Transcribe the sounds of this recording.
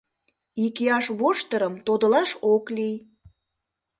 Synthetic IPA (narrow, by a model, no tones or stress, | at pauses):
ikiɑʃβoʃt̪əɾəmt̪od̪ə̆lɑʃoklij